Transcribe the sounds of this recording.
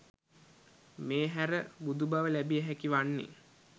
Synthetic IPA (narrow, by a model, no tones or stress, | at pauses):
meːɦæɾəbud̪ubaʋəlæbiəɦækiʋanːḛ